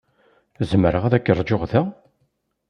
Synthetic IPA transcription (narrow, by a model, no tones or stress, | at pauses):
zməɾəʁæðækːərˤːd͡ʒoʁðæ